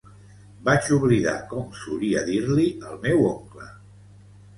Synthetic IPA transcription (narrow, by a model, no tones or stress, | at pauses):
bat͡ʃuβliða̰kɔmsuɾiəðiɾliəlˠmɛwoŋklə